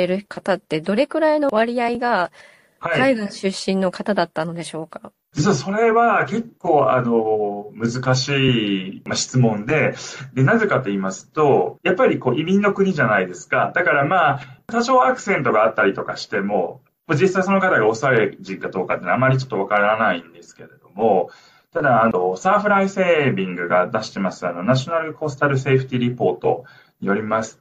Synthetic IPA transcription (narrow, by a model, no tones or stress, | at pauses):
eɾɯ̟kʰat̪at̪ːe̞d̪o̞ɾe̞kɯ̟ɾaino̞βaɾʲiaiɡa | haiaiɡãɕɨɕːĩnːo̞kat̪ad̪at̪ːano̞d̪e̞ɕo̞ːkḁ | soso̞ɾe̞βake̞kːo̞ːa̰no̞mɯ̟zɨkaɕiːmaɕi̥t͡sɨmõ̞nd̪e̞d̪e̞naze̞kat̪o̞iːmasɨ̥t̪o̞japːaɾʲiko̞ːʔimʲinːo̞kɯ̟ɲ̟iʑanaid̪e̞sɨ̥kad̪akaɾamaːt̪aɕo̞ːakɯ̟̥sẽ̞nt̪o̞ɡaːt̪ːaɾʲit̪o̞kaɕi̥t̪e̞mo̞̰ | mod͡ʑisaiso̞no̞kat̪aɡao̞saeʑĩŋɡad̪o̞ːkat̪eːnamːaɾʲit͡ɕo̞t̪ːo̞β̞akaɾanaĩnd̪e̞sɨ̥ke̞ɾe̞d̪o̞mo̞ | t̪ad̪aano̞saːɸɯ̟ɾaise̞ːbʲĩŋɡɯ̟ɡad̪aɕi̥t̪e̞masɨano̞naɕo̞naɾɯ̟ko̞st̪aɾɯ̟se̞ːɸɯ̟t̪ʲiɾʲipo̞ːt̪o̞̰ | ɲijo̞ɾʲimasɨ̥